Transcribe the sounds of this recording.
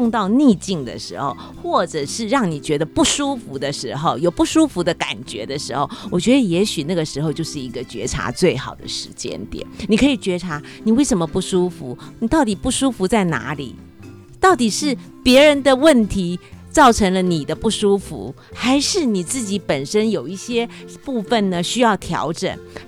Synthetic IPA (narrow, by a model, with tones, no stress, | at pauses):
ʊ˥˧ŋt̪ɑ˥˧ʊni˥˧t͡ɕi˥˩ŋd̪ə̰˩ʂɻ̩˧˥xo̰˥˧ʊxwɔ˥˩ʈ͡ʂɤ˨˩ʂɻ̩˥˧ɻɑ˥˩ŋni˨˩t͡ɕɥɛ˧˥d̪ə˧pu˥˩ʂu˥fu˧˥d̪ə˧ʂɻ̩˧˥xo˥˧ʊjo˨˩ʊpu˥˩ʂu˥fu˧˥d̪ə˧ka̰˨˩nt͡ɕɥɛ̰˧˥d̪ə˧ʂɻ̩˧˥xo˥˩ʊwʔɔ˨˩t͡ɕɥɛ˧˦˥d̪ə˧jɛ˧˥ɕy˨˩na˥˩ɡə˩ʂɻ̩˧˥xo˧ʊt͡ɕjo˥˧ʊʂɻ̩˥˩i˧˥ɡə˧t͡ɕɥɛ̰˧˥ʈ͡ʂʰa̰˧˥t͡swe˥˩ɪxɑ˨˩ʊd̪ə̰˦ʂɻ̩˧˥t͡ɕjɛ̰˦˥nt̪jɛ̰˨˩˦nni˨˩kʰɤ˧˥i˨˩t͡ɕɥɛ˧˥ʈ͡ʂʰa˧˥ | ni˨˩we˥˩ɪʂə˧˥nmə˧pu˥˩ʂu˥fṵ˧˦ni˨˩t̪ɑ˥˩ʊt̪i˨˩pu˥˩ʂu˥fu˧˥t͡sa˥˩ɪna̰˧˥lḭ˨˩˦ | t̪ɑ˥˩ʊt̪i˨˩ʂɻ̩˥˩ | pjɛ˧˥ɻə˧˥nd̪ə˧wə˥˩nt̪ʰi˧˥t͡sɑ˥˩ʊʈ͡ʂʰə˧˥ŋlə˧ni˨˩d̪ə˦pu˥˩ʂu˥fṵ˧˥˦ | xa˧˥ɪʂɻ̩˥˩ni˨˩t͡sɹ̩˥˩t͡ɕi˧˥pə˨˩nʂə˥njo˨˩ʊi˥˩ɕjɛ˥pu˥˧fə˨˩nnə˩ɕy˥jɑ˥˩ʊt̪ʰjɑ̰˧˥ʊʈ͡ʂə̰˨˩n